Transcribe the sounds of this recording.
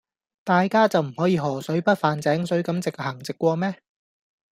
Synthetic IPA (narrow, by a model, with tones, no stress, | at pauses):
t̪aː˨jkaː˥t͡sɐ˨wm̩˨˩hɔː˨˥jiː˨˧ɦɔː˨˩sɵ˨˥ɥpɐ˥t̚faː˨nt͡sɛː˨˥ŋsɵ˨˥ɥkɐ˨˥mt͡sɪ˨k̚hɐ˨˩ŋt͡sɪ˨kːʷɔː˧mɛː˥